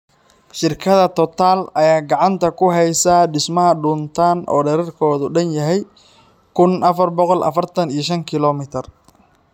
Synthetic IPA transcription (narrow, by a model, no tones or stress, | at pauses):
ʃɪrkʰɐðɐt̪ʰɔt̪ʰaːlɐjaːɡɑʕɑnt̪ʰɐkʰʊɦɛjsaɖɪsmɐɦɐɖʊnt̪ʰaːnʔɔ̰ːɖɛɾɛrkʰɔːðʊɖɐnjɐɦɛj | kʰʊnʔɐfɐrbɔqɔlʔɐ̰fɐrt̪ʰɐnijɞʃɐŋkʰɪlɔmɪt̪ʰɐr